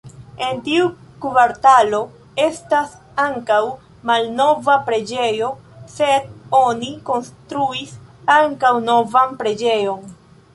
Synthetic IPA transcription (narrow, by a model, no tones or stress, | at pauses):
e̞ntiu | kuvaɾtalo̞ | e̞stas | aŋkaw | malno̞vapɾe̞d͡ʒe̞jo̞se̞do̞niko̞nstɾuisaŋkawno̞vanpɾe̞d͡ʒe̞jo̞n